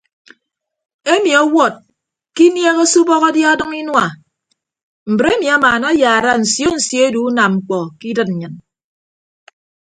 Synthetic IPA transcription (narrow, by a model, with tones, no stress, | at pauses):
e˦mi˨ɔ˦wɔ˦˨t̚ | ki˦nje˦ɣe˦su˦bɔ˦ɣa˦dja˦dɨ˦ŋi˦nwa˨ | m̩˨bɾe˦mi˨a˦maː˨na˦jaː˨ɾa˦n̩˨sjo˦n̩˨sjo˦e˦du˨u˦na˨mŋ͡m̩˨k͡pɔ˨ki˦dɨ˦t̚n̩˨ɲɨ˨n